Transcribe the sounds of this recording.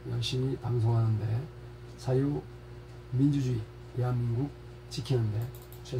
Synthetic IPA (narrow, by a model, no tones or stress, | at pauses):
ja̰ŋɕʰimipaŋs̬ʰoŋɦanɯnde̞ | sʰaju | mind͡ʑud͡ʑui | teɦanɡuk̚ | t͡ɕikʰinɯnde̞ | t͡ɕʰe